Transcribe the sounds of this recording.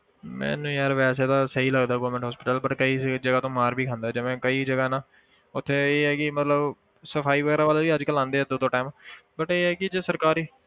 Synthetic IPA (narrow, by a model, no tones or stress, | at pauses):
mɛ̰̃ːnũːjaːɾʋɛːs̬eːt̪aːsəiːləɡd̪aːɡoːɾmə̃ɳʈɦɔːspɪʈəlbəʈkəiːd͡ʒəɡaːt̪õːmaːɾbʱiːkʰãːnd̪aːd͡ʒəʋẽːkəiːd͡ʒəɡaːnãː | ʊt̪ʰːeːeːɛːkɪmət̪ləb | səfʰaːiːʋəɡɛːɾaːʋaːlaʋiːəd͡ʒkəlãːnd̪eːɛːd̪oːd̪õːʈaːmbəʈeːɦɛːkɪd͡ʒeːsəɾkaːɾiː